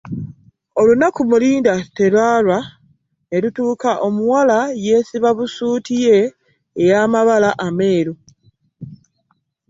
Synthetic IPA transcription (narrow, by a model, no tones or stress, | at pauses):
o̞lunakumuliːndate̞lwaːlwa | ne̞lutuːkaʔo̞muwalaje̞ːsiβaβusuːtije̞ː | jaːmaβalaʔame̞ːɾu